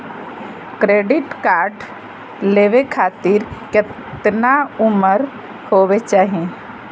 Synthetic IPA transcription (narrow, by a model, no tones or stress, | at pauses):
kɾeːɖɪʈkaːɾɖ | leːʋekʰaːt̪iɾkɪ | t̪naʊməɾ | hoːʋet͡ʃaːɦiẽ